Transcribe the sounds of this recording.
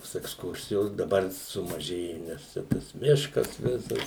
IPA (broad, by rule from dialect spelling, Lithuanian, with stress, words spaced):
toːs ɛksˈkʊrʲsʲɪjoːs dɐˈbɐr sʊmɐˈʒʲeːjʊ nʲɛs ˈt͡ʃʲɛ tɐs ˈmʲɪʃkɐs ˈʋʲɪsɐs